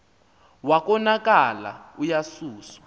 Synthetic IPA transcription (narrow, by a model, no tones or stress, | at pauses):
wak̬ʼɔnak̬ʼala̰ujasuːsḁ